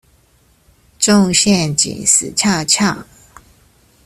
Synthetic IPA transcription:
ʈ͡ʂʊ˥˧ŋɕjɛ˥˨nt͡ɕḭ˨˩ŋs̩˨˩t͡ɕʰja˥˧t͡ɕʰja˥˩ŋ

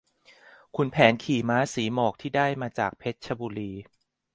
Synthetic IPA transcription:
kʰu˧npʰɛː˩˦nkʰiː˨˩maː˦˥siː˩˦mɔː˨˩k̚t̪ʰiː˥˩daː˥˩jmaː˧t͡ɕaː˨˩k̚pʰe˦˥t̪̚t͡ɕʰa˧buː˧liː˧

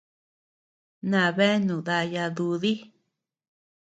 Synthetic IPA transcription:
nã˧˨βe˦nũ˨ða˧ja˧ðu˧ði˦

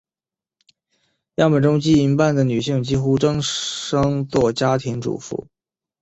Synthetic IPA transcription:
jɑ˥˩pə˨˩ʈ͡ʂʊ˥ŋt͡ɕi˥i˧˥npa˥˩nd̪ə˩ny˨˩ɕi˥˩ŋt͡ɕi˥xu˥ʈ͡ʂɤ˥ŋʂɤ˥ŋt͡swɔ˥˩t͡ɕja˥t̪ʰi˧˥ŋʈ͡ʂṵ˨˩fṵ˥˩

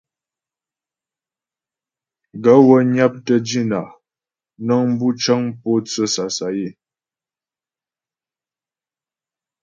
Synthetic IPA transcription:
ɡə˨˦wə˦ɲa˦p̚tə˦d͡ʒi˦˨na˨ | nɔ˦ŋm˦bu˦t͡ʃa˦ŋpɔ˦t͡sə˦sa˨sa˨je˦˨

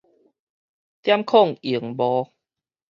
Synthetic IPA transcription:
t̪ja˦˥mkʰɔ˥˨ŋi˨˩ə˦ŋbɔ˧

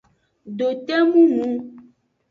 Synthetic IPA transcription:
ɖo˨t̪e˦mũ˦ŋũ˦

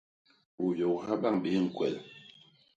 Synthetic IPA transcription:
u˨jo˨ha˦ba˦˨ŋɓe˦ŋ̩˨kwɛ̰˨l

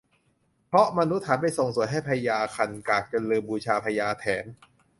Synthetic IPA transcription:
pʰɾɔ˦˥ma˧nu˦˥t̪ʰːaː˩˦nma˧˩jso˨˩ŋsu˨˩˦jɦa˥˩jpʰa˧jaː˧kʰa˧nkaː˨˩k̚t͡ɕa˨˧lɤː˧mbuː˧t͡ɕʰaː˧pʰa˧jaː˧t̪ʰɛː˩˦n

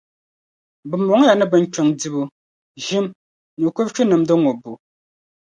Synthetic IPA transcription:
bɨ˨m̩ɔ˨˦ŋ˦ja˨nə˦bə˨ŋ̩˦t͡ʃo˨ŋdi˨bu˨ | ʒi˦m | nu˨ko˦p̚t͡ʃu˦nɨ˨mdə˦ŋo˨bu˨

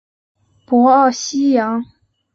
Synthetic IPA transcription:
pwɔ˧˥ɑ˥˩ʊɕi˥jɑ˧˥ŋ

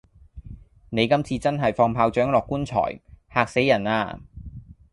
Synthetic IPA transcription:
ne˨˧jkɐ˥mt͡sʰiː˧t͡sɐ˥nɦɐ˨jfɔː˧ŋpʰaː˧wt͡ʃœː˨˥ŋlɔː˨kːuː˥nt͡sʰɔ̰ː˨˩jhaː˨k̚se˨˥jːɐ˨˩na̰ː˧

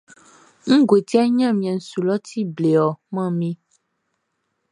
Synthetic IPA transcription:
ŋ̩̃˦ɡwe˨t̪i˦a˦ɲã˦˨mĩ˨ã˨n̩˨su˨lɔ˦t̪ʰi˦ble˨ɔ˨mã˦˨mĩ˦

